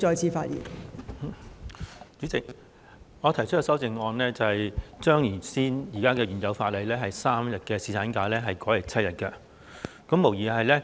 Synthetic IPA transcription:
t͡ʃɔː˧jt͡sʰiː˧faː˧t̚jḭ˨˩n˨ | t͡ʃyː˨˥t͡sɪ˨k̚ | ŋɔː˨˧t̪ʰɐ˨˩jt͡ʃʰɵ˥t̚kɛː˧sɐ˥wt͡sɪ˨ŋɔː˧nlɛː˥t͡sɐ˨hɐ˨jt͡ʃœː˥ŋjiː˨˩siː˥njiː˨˩kaː˥kɛː˧ɥyː˨˩njɐ˨˧wfaː˧t̚lɐ˨jlɛː˥ɦɐ˨jsaː˥mjɐ˨t̚kɛː˧siː˨˧t̪ʰaː˨˥nkaː˨˧˥lɛː˥ɦɐ˨jkɔː˨˥jɐ˨˩t͡sʰɐ˥t̚jɐ˨t̚kɐ˧ | kɐ˨˥mːo˨˩wjiː˨˩ɦɐ˨jlɛː˥

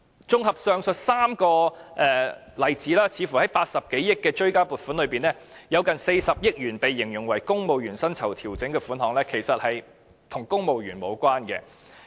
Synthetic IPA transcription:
t͡sʊ˥ŋɦɐ˨p̚sœː˨˧ŋsɵ˨t̚saː˥mkɔː˧ʔɛː˨ | lɐ˨jt͡siː˨˥laː˥t͡sʰiː˨˧fu˨˩hɐ˨˥jpaː˧t̚sɐ˨p̚ke˨˥jjɪ˥kːɛː˧t͡ʃɵ˥ɥkaː˥puː˨t̚fuː˨˥nlɵ˨˧piː˨nɛː˥ | jɐ˨˧wkɐ˨nse˧jsɐ˨p̚jɪ˥k̚ɥyː˨˩npe˨jːɪ˨˩ŋjʊ˨˩ŋwɐ˨˩jkʊ˥ŋmo˨wɥyː˨˩nsɐ˥nt͡sʰɐ˨˩wt̪ʰiː˨˩wt͡sɪ˨˥ŋkɛː˧fuː˨˥nɦɔː˨˥ŋlɛː˥kʰe˨˩jsɐ˨t̚hɐ˨j | t̪ʰʊ˨˩ŋkʊ˥ŋmo˨wjyː˨˩nmo˨˧wkʷaː˥nkɛ̰ː˧

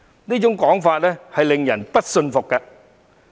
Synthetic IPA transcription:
ni˨˦˥t͡ɕʊ˨˦ŋ͡mkɔ˨˥ŋfaː˨˩t̚nə˨˦ha˨˧˩jli˧ŋza˨˩ŋpə˦˥t̚sə˧nfʊ˨˩k͡p̚ːaː˧

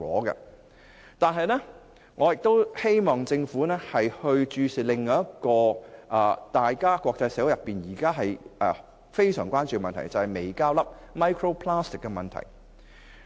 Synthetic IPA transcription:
ɔ̰ː˨˥ɡɛ̰˧ | t̪aː˨˧nɦɐ˨˧jnɛː˥ | ŋɔː˨˧jɪ˨k̚t̪o˥whe˥jmɔː˨ŋt͡sɪ˧ŋfuː˨˥nɛː˥hɐ˨jhɵ˧ɥt͡ʃyː˧si˨lɪ˨ŋːɔː˨jɐ˥kɔː˧ʔɐ˨t̪aː˨jkaː˥kʷwʷɔː˧k̚t͡sɐ˧jsɛː˨˥wjɐ˨pːiː˨njiː˨˩kaː˥ɦɐ˨jʔɛ˨ | fe˥jsœː˨˩ŋkʷaː˥nt͡ʃyː˨kɛ˧mɐ˨nt̪ʰɐ̰˨˩jt͡sɐ˨whɐ˨jme˨˩jkaː˥wlɐ˥p̚ | mɐ˥jkʰɹo˥wpʰlaː˥st̪ɪ˨˩kːɛ˧mɐ˨nt̪ʰɐ̰˨˩j

